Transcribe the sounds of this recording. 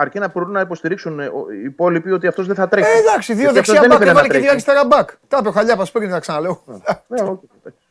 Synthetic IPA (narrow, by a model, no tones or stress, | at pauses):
ɐɾcinɐbo̞ɾunɐipo̞st̪iɾiksunpo̞lipio̞t̪iɐft̪o̞zðeθɐt̪ɾeed̪ɐksiðioðeksoɐðenieevɐleɾet̪iɐist̪ɐɾɐbɐkt̪ɐpeoxaʎɐpɐspɾniθɐksɐnɐle̞oɐneoçi | s